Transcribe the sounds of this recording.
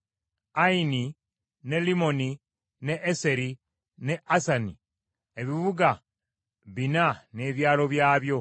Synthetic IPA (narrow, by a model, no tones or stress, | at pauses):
aini | ne̞limo̞ni | neʔːse̞ɾi | ne̞ʔasani | eβiβuɡa | βinane̞ːβjaːlo̞βjaːβjo̞